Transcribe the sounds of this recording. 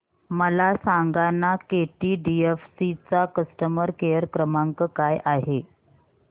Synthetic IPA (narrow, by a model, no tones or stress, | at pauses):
məlasaŋɡanːakeʈiːɖiefsit͡sakəsʈəməɾkejəɾkɾəmaŋkəkajʔaɦe